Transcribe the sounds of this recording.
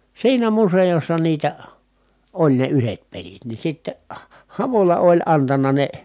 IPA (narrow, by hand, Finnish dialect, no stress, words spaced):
siːnæ musejosːɑ niːtæ olʲ ne yhet pelit ni sitːe hɑʋolɑ olʲ ɑntɑnɑ ne